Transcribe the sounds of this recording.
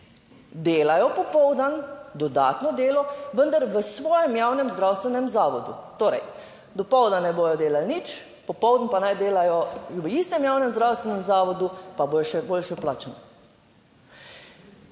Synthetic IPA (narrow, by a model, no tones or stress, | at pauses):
d̪eːlajɔpɔpɔwd̪and̪ɔd̪a̰ːt̪nɔd̪eːlɔʋənd̪aɾʋəsʋɔːjɛmjaːwnɛmzd̪ɾawst̪ʋɛnɛmzaːʋɔd̪ṵt̪oːɾɛ̰j | d̪ɔpɔwd̪anɛboːjɔd̪eːlalnit͡ʃ | pɔpɔwd̪n̩panajd̪eːlajɔʋəist̪ɛmjaːwnɛmzdɾawst̪ʋɛnɛmzaːʋɔd̪upaboːjɔʃɛboːlʃɛplaːt͡ʃna